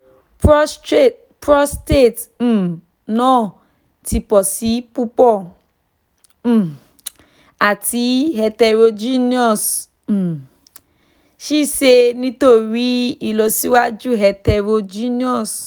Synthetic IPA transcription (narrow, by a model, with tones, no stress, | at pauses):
pse˦˨ | pɾɔ˦ste˦˨t̩˨ | nɔ̃ː˦˨ | ti˧pɔ˨si˨˦pu˦pɔ˦˨ | a˨ti˨˦ɦɛ˧tɛ˧ɾo˧d͡ʒi˦ni˦ɔ˦˨s̩˨ | ʃi˦˨ʃe˧nĩ˦to˦˨ɾi˦i˨lo˧˦si˦wa˦d͡ʒu˦˨ɦɛ˨tɛ˧ɾo˧d͡ʒi˦ni˦ɔ˦˨s